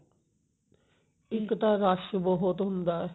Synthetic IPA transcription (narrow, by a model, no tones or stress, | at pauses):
iŋkt̪aɾaʃboɦot̪ond̪a